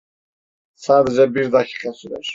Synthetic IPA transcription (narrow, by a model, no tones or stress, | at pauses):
saːd̪ɛd͡ʒɛbiɾd̪akʰi̥ːqɑsid̪ɯ̰ɾ̥